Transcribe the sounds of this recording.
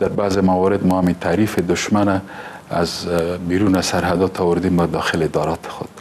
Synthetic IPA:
d̪̥aɾbazemawɑɾɪd̪mɔamit̪ʰaːɾifed̪ʊʃmanaː | zbiɾunasaɾɦad̪ɔt̪ʰawʊɾd̪embad̪ɑxɪlɪd̪ɑɾɑt̪ʰɪ̥xʊ̰d̪̥

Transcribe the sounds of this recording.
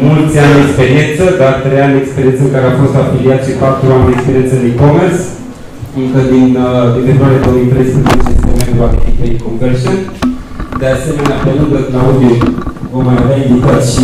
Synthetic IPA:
mult͡sanekspeɾient͡səd̪aɾt̪ɾejand̪ekspeɾient͡səkaɾeafost̪afiliat̪ɕipat̪ɾuamd̪ekspeɾient͡sənikomeɾs | ɨŋkəd̪ind̪efed̪uaɾed̪oːmit̪ɾəjspɾəzet͡ɕesemeɾwaket̪ikeikõmkəɾɕən | d̪easemenaaplʲaluɡək̪naud̪i | məmaɾd̪ajd̪it̪aɕi

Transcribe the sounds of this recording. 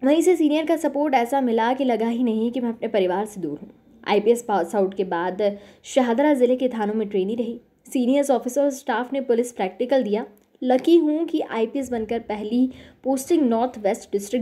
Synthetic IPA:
mɛ̃ːɪsesiːnijəɾkasɐpoːɾʈɛːsamɪlakilɐɡaɦinɐɦĩkimɛ̃ɐpnepɐɾɪʋaːɾsed̪ṵːɾɦṵ̃ː | a̰ːipiɛspaːsaʊʈkebaːd̪ʃɐɦaːd̪ɾazɪleket̪ʰaːnõmẽʈɾeːniɾɐɦiː | siːnijəɾsɔːfɪsəɾsʈaːfnepʊlɪspɾɛːk̚ʈɪkəld̪ija | lɐkiɦũkiʔa̰ːipiɛs̬bɐnkəɾpɛɦlipoːsʈɪ̃ŋɡnɔːɾt̪ʰʋɛːsʈɖɪsʈɾɪk

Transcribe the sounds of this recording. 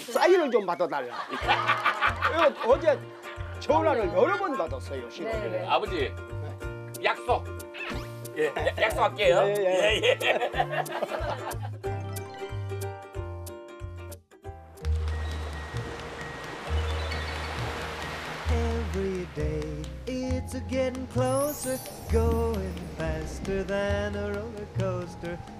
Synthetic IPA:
s͈aiɾɯɭt͡ɕompadʌdaɭːa | iɡʌʌd͡ʑe | t͡ɕoɾaɾɯɭjʌɾʌbʌndadʌs͈ʌjoɕʰiabʌd͡ʑi | ne | jak̚s͈ʌk̚ | jejak̚p͈ak͈ejojeeje | ɛvɹideɪ | ɪtsɨɡɛɾɪ̃ŋkʰl̥oʊsə˞ | ɡ̥oʊɪ̃ŋfæstə˞ðɨ̃nəɹolə˞kʰoʊstə˞

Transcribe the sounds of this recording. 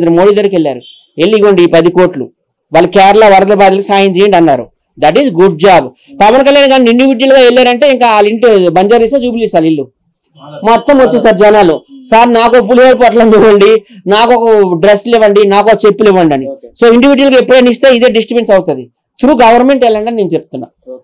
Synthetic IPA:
d̪ɐɾimoːɽid̪ɐɾikeɭːa̰ːɾu | e̞lːiʋɐɳɖiːpɐd̪iko̞ːʈlṵ | ʋaːlːɐkɛːɾɐlaːʋɐɾɐd̪ɐbaːd̪ilɐkisaːjɐɲt͡ʃɛjɐɳɖɐnːa̰ːɾṵ | d̪ɐʈ̬izɡuɖ̚d͡ʒaːb | pɐʋɐnkɐljaːnɡaːniɳɖiʋiɖɐlɡaːelːaːɾɐɳʈe̞iŋkaːaːliɳʈbɐɲd͡ʒaːɾiseːd͡ʒuːpilisaːlilːu | mɔt̪ːɐmot͡ʃːist̪aːɾd͡ʒɛnaːlusaɾnaːkokpuleɾpoʈlɐniʋɐɳɖinaːkɔkɐɖɾesːliʋɐɳɖinaːkɔkɐt͡ʃe̞pːuliʋːɐɳɖɐniso̞ːiɳɖiʋiɖɐlɐkepːuɽenist̪e̞ːid̪e̞ːɖisʈɾipeɳʈsɐwt̪ud̪i | t̪ɾuːɡɐʋɐɾme̞ɳʈɛlːɐɳɖɐnineːnt͡ʃepu̥t̪unːa̰ː

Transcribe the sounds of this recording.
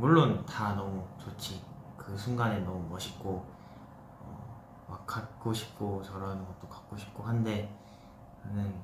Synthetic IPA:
muɭːontanʌmut͡ɕot͡ɕʰikɯsʰuŋɡanenʌmumʌɕʰi̥p̚k͈o | ʌ̰ | makk͈ːat̚k͈oɕʰi̥p̚k͈ot͡ɕʌɾʌnɯnɡʌt̚t͈okḁk̚k͈oɕʰi̥p̚k͈oɦande̞ | nɯn

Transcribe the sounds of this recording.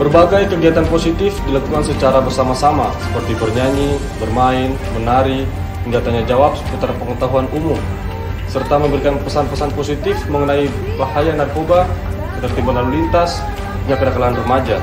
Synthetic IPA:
bərbaɡajkəɡiat̪anposit̪ɪfdilakukansət͡ʃaɾabərsamasamasə̥pərt̪ibərɲaɲi | bərmaɪn | bənaɾi | pəndat̪aɲad͡ʒawap̚sə̥put̪arpəŋət̪aɦuanumʊm | sərt̪aməmbəɾikanpəsanpəsanposit̪ɪfməŋənai | bahajanarkoba | kət̪ərt̪ibanalulint̪as | ɲakədakalaanrəmad͡ʒa

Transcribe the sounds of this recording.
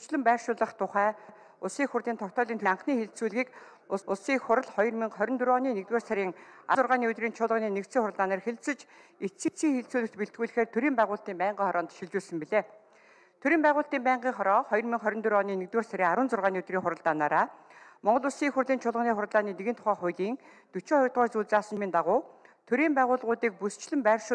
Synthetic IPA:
t͡ɕɮɘ̆mpæːrʃʊːɮə̆χt̪ʰʊχæː | ʊsiːxurt̪iːnt̪ʰɔkt̪ʰɔːɮʲiːnt̪ʰɵaɴχniːxeɮt͡suːɮɣiːk | ʊʊsiːkχʊɾə̆ɮχɔjɞ̆rmiŋχœɾʲɪ̆nt̪ɵɾɔːniːnekt̪weːrsaɾʲiːŋa̰t͡sʊrʁaːniːɵt̪riːnt͡ɕʰʊɮʁə̆niːnekt̪t͡siːŋχʊɾəɮt̪aːnaːrxeɮt͡sɘ̆t͡ɕ | et͡siːt͡siːŋxeɮt͡suːɮɘ̆kt̪piɬt̪̚ɡɣuːɮɘ̆xeːrt̪ʰɵɾiːmpæːʁʊːɬt̪iːmpæːɴɢiːŋχɔɾʔɔːnt̪ʃiɮt͡ɕuːɮsə̆mpiɮeː | t̪ʰɵɾiːmpæːʁʊːɬt̪iːmpæːɴɢiːŋχɔɾɔːχɔjɞ̆rmiŋχœɾʲɪ̆nt̪ɵɾɔːniːnekt̪weːrsaɾʲiːŋaɾʊːnt͡sʊrʁaːniːɵt̪riːŋχʊɾə̆ɮt̪aːnaːɾaːmɔɴɢɞ̆ɮʊsiːxurɮiːnt͡ɕʰʊɮʁə̆niːχʊɾə̆ɮaːniːneɣɘ̆nt̪ʰʊ̥χaːχʊjɮiːŋ | t̪ɵt͡ɕeːχɔjʊt̪̚ɔːrt͡suːɮt͡saːsə̆nmiːnt̪aʁʊːt̪ʰɵɾiːmpæːʁʊːɮʁʊːt̪iːk̚pust͡ɕɮɘ̆mpæːrʃʊː

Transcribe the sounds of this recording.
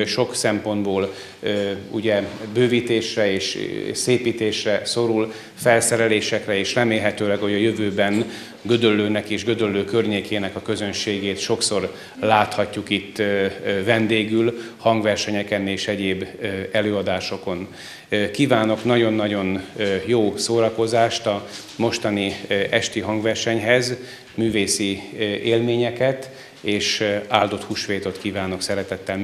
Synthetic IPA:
ʃo̞ksɛmpo̞nd̪boːl | ṵɟɛbøːviːt̪eːʃrɛeːʃseːpiːt̪eːʃrɛso̞ɾul | fɛlsɛɾɛleːʃɛkrɛeːʃrɛmeːlɦɛt̪øːlɛɡho̞ɟɒjøvøːbɛn | ɡø̞d̪ølːøːnɛkeːʒɡød̪ølːøːkørɲeːkeːnɛkɒkø̞zønʃeːɡeːt̪ʃo̞kso̞r | laːt̪hɒcːukit̪ːvɛnd̪eːɡylhɒŋɡvɛrʃɛɲɛkɛneːʃɛɟeːbːɛløːɒd̪aːʃo̞ko̞n | kiːvaːno̞knɒɟo̞nːɒɟo̞njoːsoːɾɒko̞zaːʃt̪ɒ | mo̞ʃt̪ɒniɛʃt̪iɦɒŋɡvɛrʃɛɲɦɛz | myːveːsieːlmeːɲɛkɛt̪ | eːʃaːld̪o̞t̪huʃʋeːt̪o̞t̪kiːvaːno̞ksɛɾɛt̪ɛt̪ːɛl

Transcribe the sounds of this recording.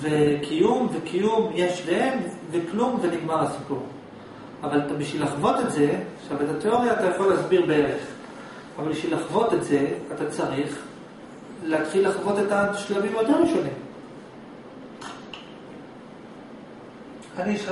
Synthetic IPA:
vekʰijumvekʰijumjeʃleemveklumveniɡmaʁasi̥puʁ | avalatabiʃvilaχvo̞t̪etze̞aχʃavetateo̞ʁjaːt̪ajaχolːeasbiʁbee̞ʁeχ | avalbiʃvilaχvot̪etze̞atat͡saʁiχ | leat̪χilːaχvo̞t̪etaʃlamimjot̪eʁeʃonim | aniʃ

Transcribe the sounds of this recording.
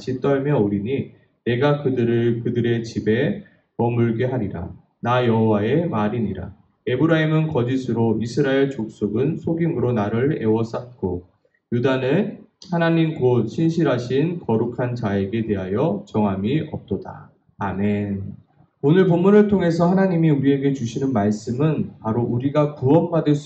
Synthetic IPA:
aɕʰit͈ʌɭmjʌuɾiɲi | ne̞ɡakɯdɯɾɯkɯdɯɾe̞t͡ɕibe̞ | pʌmuɭɡe̞ɦaɾiɾa̰ | najʌɦowae̞maɾiɲiɾa̰ | e̞bɯɾaimɯnkʌd͡ʑisʰɯɾoisʰɯɾaeɭt͡ɕok̚s͈oɡɯnsʰoɡimɯɾonaɾɯɭe̞wʌs͈at̚k͈o | judanɯnhanaɲimɡot̚ɕʰinɕʰiɾɦaɕʰinkʌɾukʰant͡ɕaeɡe̞te̞ɦajʌt͡ɕʌŋɦamiʌ̰p̚t͈oda̰ | ame̞n | onɯɭp̬omːunɯɭtʰoŋɦe̞s̬ʰʌhanaɲimiuɾie̞ɡe̞t͡ɕuɕʰinɯnmaɭs͈ɯmɯnpaɾoʔuɾiɡakuʌmbadɯs

